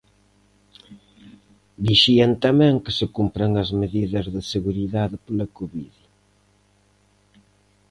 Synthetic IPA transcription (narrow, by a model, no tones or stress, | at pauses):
d̪iʃiɐnt̪ɐmɛ̃ŋkɪsɪkumpɾɐŋɐzmeðiðɐzðɪseɣuɾiðaðɪpolɐkoβið